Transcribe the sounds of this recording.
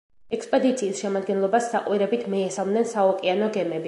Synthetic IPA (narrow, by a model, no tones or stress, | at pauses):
ɛkspʼɛd̪it̪sʰiːsʃɛmad̪ɡɛnlˠɔbasːaqʼwiɾɛbit̪ʰmiɛsamnɛnsaɔkʼianɔɡɛmɛbi